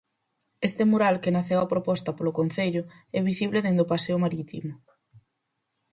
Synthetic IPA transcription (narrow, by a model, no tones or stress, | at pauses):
est̪emoɾalkenaθewapɾopɔst̪ɐpolokon̟θeʎʊ | ɛβisiβleðend̪opaseʊmaɾit̪ḭmʊ